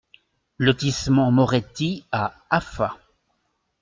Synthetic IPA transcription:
lɔt̪ismɑ̃mɔʁɛt̪ia | afa

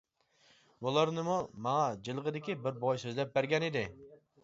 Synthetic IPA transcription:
bulˠɑɾnɨmumɑŋɑd͡ʒilˠʁəd̪ɪkʲibɪɾbɔjsøzlɛp̚bæɾɡʲɛnɪd̪ɪ

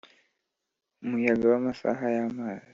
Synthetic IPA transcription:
mujaɡawamasa̰ɦajamala

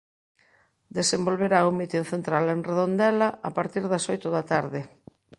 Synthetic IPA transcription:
d̪esembolβeɾaumit̪inθent̪ɾalenreðond̪ɛlɐʔapaɾt̪iɾðɐsɔjt̪ʊðɐt̪aɾðɪ

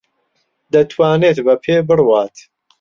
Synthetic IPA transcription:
d̪ɐt̪ʰwaːneːt̪bɐpʰeːbɨrwaːt̪

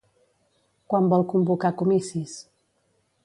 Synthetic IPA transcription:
kwambɔlˠkumbukakumisis

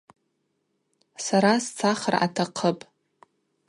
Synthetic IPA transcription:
saɾast͡sʰaχəra̰tʰaqʰəpʼ

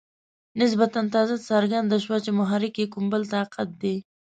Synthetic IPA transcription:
nɪs̬bat̪ant̪ɑzasaɾɡand̪aʃwat͡ʃemʊɦɑɾɪkekʊmbəlt̪aqat̪̚d̪e

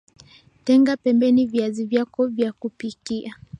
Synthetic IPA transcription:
tɛŋɡapɛmbɛniviazivjakɔvjakupikia

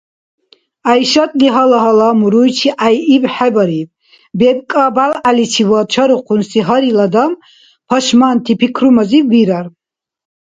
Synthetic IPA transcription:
ajʃat̪ʼliɦalaɦalamuɾujt͡ʃʰiʔajibħɛbaɾib | bɛb̚kʼabalalit͡ʃʰivɔt͡ʃʰaɾuqʰunsiɦaɾilad̪am | pʰɔʃmant̪ʰipʰikʰɾumaziːiɾaɾ

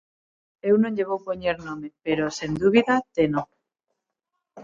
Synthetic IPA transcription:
ewnõɲʎeβ̞owpoɲeɾnõmepeɾosend̪uβ̞iðat̪eno

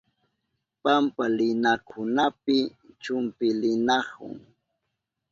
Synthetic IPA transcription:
pampalɪnakʰʊnapɪt͡ʃʊmpɪlɪnɑhʊ̰ŋ

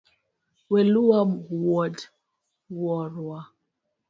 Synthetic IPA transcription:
wɛluwamwɔd | wɔɾwa

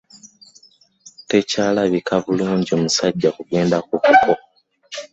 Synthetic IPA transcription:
te̞caːlaβikʰavuluːɲɟo̞musaɟːakuɡe̞ːndakukupʰo

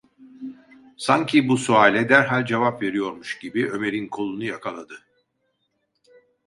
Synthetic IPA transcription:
saɲcʰibusuaːlʲɛd̪æɾɦalʲd͡ʒevapve̞ɾijo̞ɾmuʃɟ̥ibiø̞me̞ɾinkʰo̞lˠunujakʰalˠad̪ɯ

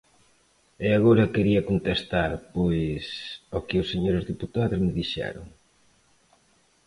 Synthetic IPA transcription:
ɛaɣoɾɐkeɾiɐkont̪est̪aɾpojsokɪʊsːeɲoɾʊzðiput̪aðʊzmɪðiʃɛ̰ɾʊ̰ŋ

